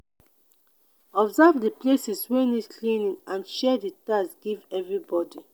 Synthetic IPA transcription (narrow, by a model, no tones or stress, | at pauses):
ɔbzavdiplesiswɛnikʰlĩnĩŋãnʃɛditasɡ̥ivɛvɹibɔdi